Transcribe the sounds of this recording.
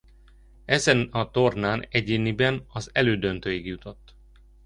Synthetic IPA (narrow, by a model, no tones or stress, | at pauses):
ɛzɛnɒt̪o̞rnaːnɛɟeːnibɛnɒzɛløːd̪ønt̪øːjiɡjut̪o̞t̪ː